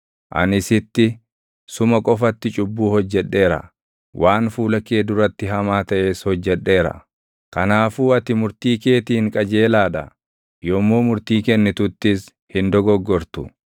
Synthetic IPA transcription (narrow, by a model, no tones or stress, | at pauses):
ʔɐ̰nɪsɪt̪ːɪ | sʊmɐkʼɔfɐt̪ːɪt͡ʃʼʊbːuːhɔd͡ʒːɛᶑːe̞ːɾɐ̰ | wʔaːnfuːlɐke̞ːd̪ʊɾɐt̪ːɪɦɐmaːt̪ɐʔe̞ːshɔd͡ʒːɛᶑːe̞ːɾɐ̰ | kɐnaːfuːɐt̪ɪmʊɾt̪iːke̞ːt̪iːŋkʼɐd͡ʒe̞ːlaːᶑɐ̰ | jɔmːoːmʊɾt̪iːkɛnːɪt̪ʊt̪ːɪs | hɪnd̪ɔɡɔɡːɔɾt̪ʊ